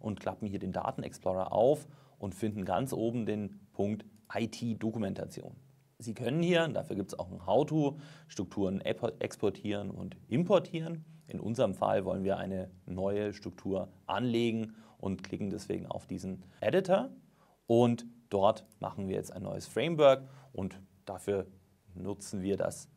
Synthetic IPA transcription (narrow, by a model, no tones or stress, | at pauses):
ʔʊntkʰl̥a̰pm̩hiːɐdeːnda̰ːtn̩ɛ̰ksplɔːʁɐ̰ʔa̰ʊfʔʊntfɪndn̩ɡa̰nt͡sʔoːbm̩deːnpʰʊŋk̚tʔaɪtʰiːdokumɛntʰat͡sjo̰ːn | ziːkʰœnənhiːɐda̰fyːɐɡiːptsaʊxn̩ɦaʊtʰuːʃtʁ̥ʊk̚tʰuːʁənɛʔɛ̰kspʰɔɐtʰiːʁənʊ̰ntʔɪmpʰɔɐtʰiːʁən | ʔɪnʔʊ̰nzəʁəmfa̰lvɔlənviːɐʔaɪnənɔʏəʃtʁ̥ʊk̚tʰuːɐʔa̰nleːɡŋ̩ʔʊntkʰlɪkŋ̩dɛsv̥ḛːɡŋ̩a̰ʊfd̥iːzn̩ʔɛɾɪtʰɐ | ʔʊntd̥ɔɐtmʔa̰χn̩viːɐjɛ̰t͡staɪnːɔ̰ʏəsfʁ̥ɛɪmvœɐkʔʊnt | d̥afyːɐ | nʊt͡sn̩viːɐda̰s